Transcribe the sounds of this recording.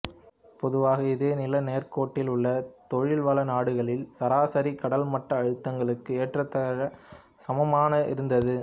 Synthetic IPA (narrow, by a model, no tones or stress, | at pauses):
pɔðɯʋaːɣɐɪðeːnɪlɐneːrkoːʈːɪlʊɭːɐt̪ɔɻɪɭʋɐlɐnaːɽɯɣɐɭɪlsɐɾaːsɐɾikɐɽɐlmɐʈrɐːɻɯt̪ːɐŋɡɐɭɯkːɯeːʈrɐt̪ːɐɻɐ | sɐmɐmaːnɐɪ̰ɾɯnd̪ɐðɯ